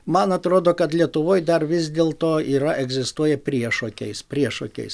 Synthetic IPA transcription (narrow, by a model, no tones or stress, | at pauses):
mɐnɐt̪ɾoːd̪oːkɐt̪lʲiɛt̪ʊʋoːjd̪ɐrʋʲɪzʲd̪ʲeːlˠt̪oːiːɾɐʔɛɡzʲɪst̪uɔjɛpʲɾʲiɛʃoːkʲɛɪspʲɾʲiɛʃokʲɛ̰ɪs